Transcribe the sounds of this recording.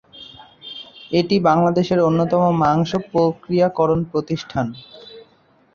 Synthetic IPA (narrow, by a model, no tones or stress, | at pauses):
eʈibaŋlad̪eʃeɾonːot̪ɔmomaŋʃopɾokɾijakɔɾonpɾot̪iʃʈʰan